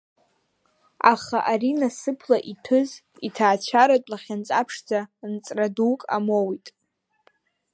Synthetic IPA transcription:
aχaʔaɾinasɨpʰlaʔitʰɨz | itʰaːt͡ʃʷʰaɾatʷʼlaχʲant͡sʼapʰʂd͡zant͡sʼradukʼa̰mowitʼ

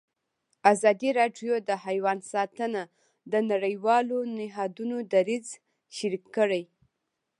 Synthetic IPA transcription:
azɑd̪iɾɑɖjod̪əhajwɑnsɑt̪əna | d̪ənaɽəjwɑlonɪɦɑd̪unod̪aɾiz | ʃaɾikːəɽəj

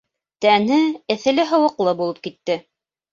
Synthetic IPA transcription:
t̪ænɘɘ̆θɘ̆lɘɦɤ̆wɤ̆qlˠɤbulˠɤp̚kit̪ːɘ

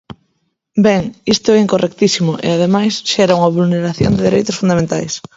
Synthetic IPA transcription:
bɛŋist̪ʊɛiŋkorʔɛk̚t̪isimʊʔḛaðemajsʃɛɾauŋɐβulneɾaθjo̰nd̪ɪðiɾejt̪ʊsfund̪amẽnt̪ajs

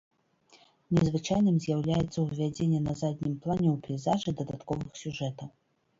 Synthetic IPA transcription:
nʲɛzvɨt͡ʂajnɨmzʲjawlʲajɛt̪sːɐwvʲad͡zʲenʲːɛnɐzad̪ʲnʲimplˠanʲɛwpʲɛjzaʐɨd̪ɐd̪at̪kɔvɨxsʲuʐɛt̪ɐw

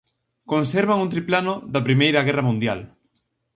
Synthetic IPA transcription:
konsɛɾβaŋunt̪̬ɾiplanʊðɐpɾimejɾɐɣɛrɐmũnd̪jal

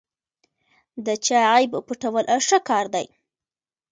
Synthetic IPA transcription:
d̪ət͡ʃaajbpuʈawəlʔaʂəkɑɾd̪a̰j

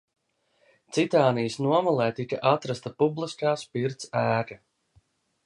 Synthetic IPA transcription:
t̪sit̪aːnijəsnuɔmɔlˠɛːt̪ikaʔat̪ɾast̪apublˠiskaːspiɾt̪sæːka

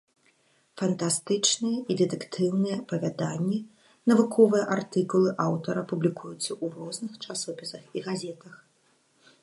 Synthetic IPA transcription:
fɐnt̪ast̪ɨt͡ʂnɨjɛʔid̪ɛt̪ɛkt̪ʰɨwnɨjɛɐpɐvʲad̪anʲːi | nɐvukʰɔvɨjɛʔart̪ɨkulˠɨʔawt̪ɐɾɐpublʲikʰujut̪sɐʔuɾɔznɨxt͡ʂasɔpʲisɐxiɣazʲɛt̪ɐx

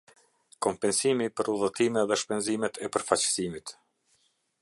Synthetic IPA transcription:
kɔmpɛnsimipəɾuðɔt̪imɛðɛʃpɛnzimɛt̪ʰɛpəɾfat͡ɕsimit̪

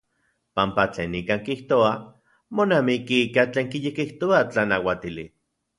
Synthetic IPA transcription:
pampat͡ɬḛːnikaːŋkiht̪oa | monamikiikat͡ɬeːŋkijekiht̪oat͡ɬanawat̪ili

